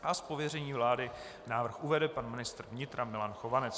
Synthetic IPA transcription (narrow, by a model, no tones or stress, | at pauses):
ʔaspovjɛrɛɲiːvlaːdɪ | naːvr̩xuvɛdɛpanmɪnɪst̪r̩vɲɪt̪ɾamɪlanxovanɛt͡s